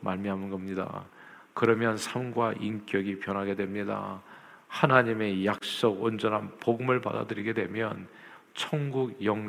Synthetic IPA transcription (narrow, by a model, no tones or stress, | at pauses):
maɭmiɦamɯnɡʌmɲida̰ | kɯɾʌmjʌnsʰamɡwaʔink͈jʌɡipjʌnɦaɡe̞dwe̞mɲida̰ | hanaɲime̞jak̚s͈oɡond͡ʑʌnɦanpoɡɯmɯɭpa̰da̰dɯɾiɡe̞dwe̞mjʌn | t͡ɕʰʌŋɡuɡjʌŋ